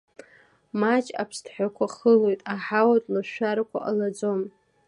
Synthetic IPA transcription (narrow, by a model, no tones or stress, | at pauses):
mat͡ʃʼa̰pʰstʰħʷᶣakʷʰaχəlo̞jtʼaħawadʼlaʃʷᶣaɾakʷʰa̰ʔalad͡zo̞m